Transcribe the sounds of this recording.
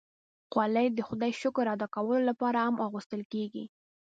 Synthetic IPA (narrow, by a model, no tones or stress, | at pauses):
qwɑlajd̪əxʊd̪ɑjʃʊkɾːɑd̪ɑkawəlolapɑɾahamʔɑɣust̪əlkeɡḭ